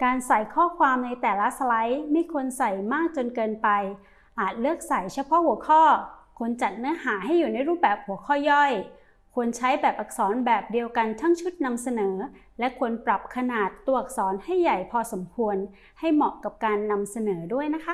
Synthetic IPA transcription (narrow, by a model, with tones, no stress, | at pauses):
kaː˧nsa˨˩jkʰɔː˥˩kʰwaː˧mna˧jt̪ɛː˨˩la˦˥sa˧la˦˥jma˥˩jkʰu˧ənsa˨˩jmaː˥˩k̚t͡ɕo˧nkɤː˧npa˧j | ʔaː˨˩t̪̚lɯ˥˩ək̚sa˨˩jt͡ɕʰa˧˥˩jpʰɔ˦˥hu˩˦əkʰɔː˥˩kʰu˧ənt͡ɕa˨˩t̪̚nɯ˨˦˥ɐhaː˩˦ɦa˥˩jːuː˨˩na˧jɾuː˥˩p̚bɛː˨˩p̚hu˩˦kʰɔː˥˩jɔ˥˩j | kʰu˧ənt͡ɕʰa˦˥jbɛː˨˩p̚ʔa˨˩k̚sɔː˩˦nbɛː˨˩p̚di˧əwka˧nt̪ʰa˦˥˩ŋt͡ɕʰu˦˥t̪̚na˧msa˧nɤː˩˦ | lɛ˦˥kʰu˧ənpɾa˨˩p̚kʰa˧naː˨˩t̪ːu˧əʔa˨˩k̚sɔː˩˦nha˥˩jːa˨˩jpʰɔː˧so˩˦mkʰu˧ən | ha˥˩jmɔ˨˩ʔka˨˩p̚kaː˧nːa˧msa˧nɤː˩˦du˥˩əjna˦˥kʰa˦˥